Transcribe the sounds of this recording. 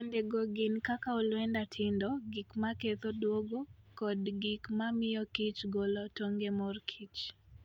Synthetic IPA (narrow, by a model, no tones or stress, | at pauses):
ondeɡoɡɪnkakaolwɛndatʰɪndɔɡikmaket̪odwoɡokɔdɡɪkmamɪjɔkit͡ʃɡolɔtoŋɡemɔrkʰit͡ʃ